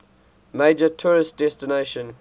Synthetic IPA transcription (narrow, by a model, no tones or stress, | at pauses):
meɪd͡ʒətʰuːɹɪstd̥ɛstɪneɪʃə̃n